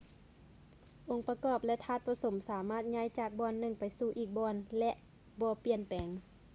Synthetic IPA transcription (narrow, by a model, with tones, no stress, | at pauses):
ʔo˧˩ŋpa˧kɔː˧˩p̚lɛ˧ʔt̪ʰaː˧˩t̪̚pa˧so˩˦msaː˨˦maː˧˥˩t̪̚ɲa˧˥˨jt͡ɕaː˧˩k̚bɔː˧˨nːɯ˧˩ŋpa˨jsuː˧˩ʔiː˧˩k̚bɔː˧nlɛ˧ʔ | bɔː˧pi˧˩ənpɛː˨˦ŋ